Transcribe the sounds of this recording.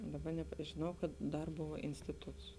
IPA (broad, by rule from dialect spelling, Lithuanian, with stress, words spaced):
ˈdɑːˌbɐ nʲɛp ʒʲɪˈnɐʊ kɐt ˈdɐr ˈboːʋɐ ˈɪnʲsʲtʲɪtʊts